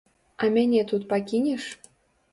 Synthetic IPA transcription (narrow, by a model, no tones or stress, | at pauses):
ɑmʲenʲet̪ut̪̚pɑkʲinʲeʃ